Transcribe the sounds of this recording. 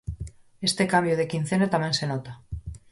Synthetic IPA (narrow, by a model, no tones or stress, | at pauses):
e̞st̪ekambjoð̞e̞kin̟θenat̪amje̞nsenot̪a